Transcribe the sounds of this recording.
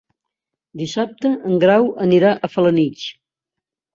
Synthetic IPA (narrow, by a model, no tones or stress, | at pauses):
d̪isap̚t̪əəŋɡɾawəniɾaʔəfələnit͡ʃ